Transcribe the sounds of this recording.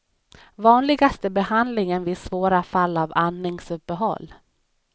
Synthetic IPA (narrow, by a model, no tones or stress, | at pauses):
vɑːnlɪɡast̪əbɛhand̪lɪŋənvɪsvoːɾafalːavanːɪŋsɵpːəɦɔ̰lː